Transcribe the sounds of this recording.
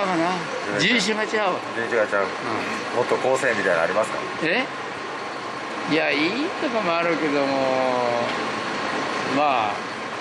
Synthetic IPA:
kana | d͡ʑĩɰɕ̬ĩŋɡat͡ɕiɡaɯd͡ʑĩːɕiɡat͡ɕaɯ̟̃ | mot̪ːokoːsẽmʲːit̪ainaːɾʲimasɨ̥ka̰ | e | jaiːt̪okomoaɾɯ̟ke̞d̪o̞mo | maː

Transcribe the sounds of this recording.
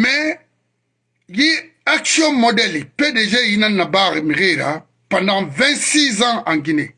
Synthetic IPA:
mɛ | ji | aksiɔ̃mɔdɛlipedeʒejinãnːabaʁemiʁeɾa̰ | pãndãvɛ̃nsizããŋɡinḛ

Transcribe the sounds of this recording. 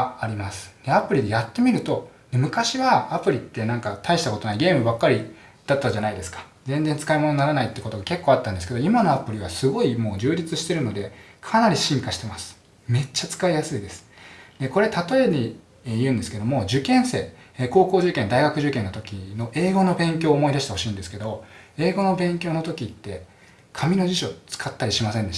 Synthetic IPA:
aɾʲimasɨ̥d̪̥e̞apɯ̟ɾʲid̪e̞jat̪ːe̞mʲiɾɯ̟t̪o̞d̪̥e̞mɯ̟kaɕiβaːpɯ̟ɾʲit̪ːe̞nãŋkat̪ʰaiɕi̥t̪ako̞t̪o̞naiɡʲe̞ːmɯ̟bakːaɾʲi | d̪̥at̪ːaʑanaid̪e̞sɨ̥kḁ | zẽ̞nd͡zent͡sɨ̥kaimononaɾanait̪ːeko̞t̪o̞ɡake̞kːoːat̪ːãnd̪e̞sɨ̥ke̞d̪o̞imano̞apɯ̟ɾʲiβasɨɡo̞imo̞ːd͡ʑɨːd͡ʑit͡sɨɕi̥t̪e̞ɾɯ̟no̞d̪e̞kʰanaɾʲiɕĩŋkaɕi̥t̪e̞masɨ̥ | me̞t͡ɕːat͡sɨ̥kaijasɨid̪esɨ̥d̪̥e̞ko̞ɾe̞t̪at̪o̞e̞ɲʲi | jɯ̟̃ːnd̪esɨ̥ke̞d̪o̞mo̞d͡ʑɨkẽ̞ɰ̃se̞̰ːko̞ːko̞ːʑɨkẽ̞nd̪aiɡakɯ̟ʑɨkẽ̞nːo̞t̪o̞kʲino̞ʔe̞ːɡo̞no̞bẽ̞ŋkʲo̞ːmo̞id̪aɕi̥t̪eho̞ɕiːnd̪e̞sɨ̥ke̞d̪o̞e̞ːɡo̞no̞bẽ̞ŋkʲo̞ːno̞t̪o̞kʲit̪ːe̞ | kʰamʲino̞ʑiɕo̞t͡sɨ̥kʰat̪ːaɾʲiɕimasẽ̞nd̪e

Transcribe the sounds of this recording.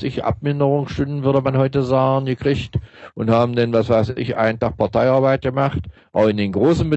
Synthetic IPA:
sɪçʔa̰p̚mɪndəʁʊŋsʃtʏndn̩vʏɐdəmanhɔʏtəzaːɡən̩ɡəkʁ̥ɪçtʔʊnthaːbm̩danvasv̥aɪsɪ̰çʔa̰ɪnfaχpʰaɐtʰaɪaɐbaɪt̚ɡ̥əmaχt | ʔaʊxɪndeːnɡʁoːsn̩bə

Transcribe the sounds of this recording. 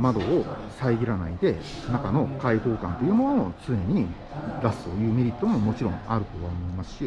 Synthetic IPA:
mad̪o̞ː | saiɡʲiɾana̰id̪e̞ | nakano̞kait̪o̞ːkã̰nt̪o̞jɯ̟ːmo̞noot͡sɨneɲ̟i | ɾasɨ̥t̪o̞jɯ̟ːme̞ɾʲit̪ːo̞mo̞mo̞t͡ɕiɾõ̞ŋaɾɯ̟t̪o̞βaomo̞imasɨ̥ɕi

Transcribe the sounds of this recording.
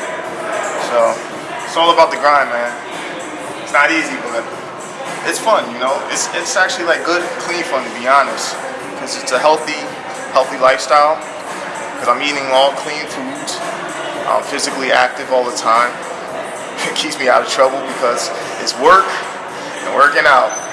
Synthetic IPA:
soʊ | ɨtsɔlˠəbaʊt̪̚ðɨɡɹãɪ̃nmæ̃n | ɨtsnəɾizibʌt̚ | ʔɪtsfʌ̃njɨnoʊʔɪ̰tsɪtsæk̚t͡ʃʉl̩ˠilaɪk̚ɡ̥ʊd̚kʰl̥ĩnfʌ̃ntʰɨbiɑnɨst̚ | kʰʌzɨtsəɦɛlˠθi | hɛlˠθilaɪfstaɪlˠ | kʰʌzãɪ̃miɾɪ̃ŋlɔ̃ŋkʰl̥ĩnfudz̥ | ʔã̰ɪ̃ɱfɪzɨkliæ̰k̚tɨvɔlˠðətʰãɪ̃m | ɨt̚kʰipsmiaʊɾʌv̥tʰɹ̥ʌbl̩ˠbɨkʰʌz | ɨtswɜ˞k | ɨ̃nwɜ˞kɪ̃ŋaʊt̚

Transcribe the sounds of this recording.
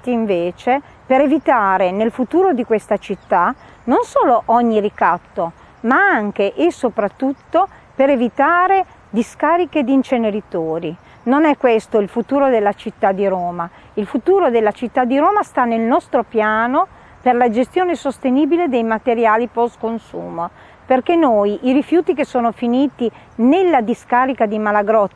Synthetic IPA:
iiɱveːt͡ʃe | peɾevit̪aːɾenelfut̪uːɾod̪ikwest̪at͡ʃit̪ːa | nonsoːloʔɔɲːirikat̪ːo | maaŋk̟eʔesopɾat̪ːut̪ːo | peɾevit̪aːɾe | d̪iskaːɾiked̪int͡ʃeneɾit̪oːɾi | nonɛkːwest̪oilfut̪uːɾod̪elːat͡ʃit̪ːad̪ːiɾoːma | ilfut̪uːɾod̪elːat͡ʃit̪ːad̪ːiɾoːmast̪anːelnɔst̪ɾopjaːno | perlad͡ʒest̪joːnesost̪eniːbiled̪ejmat̪eɾjaːlipɔskonsṵːmo | perkenojʔiɾifjuːt̪ikesːoːnofiniːt̪i | nelːad̪iskaːɾikad̪imalaɡɾɔt̪ː

